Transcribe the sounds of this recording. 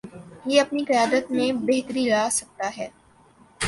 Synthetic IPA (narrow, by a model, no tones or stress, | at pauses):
jeɐpnikɐjaːd̪ət̪mẽbɛɦt̪əɾilaːsɐk̚t̪aɦɛː